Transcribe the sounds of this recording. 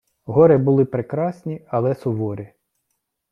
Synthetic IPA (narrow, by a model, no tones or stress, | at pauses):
ɦɔɾebʊlˠɪpɾekɾɑsʲnʲiɐlˠɛsɔʋɔɾɪ